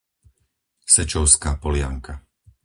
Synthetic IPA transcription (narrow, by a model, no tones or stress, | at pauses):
sɛt͡ʃɔʊskaːpɔlɪa̰ŋka